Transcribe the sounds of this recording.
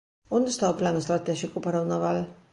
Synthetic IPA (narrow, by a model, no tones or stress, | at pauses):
ond̪st̪awplanust̪ɾat̪ɛʒikupaɾawnaval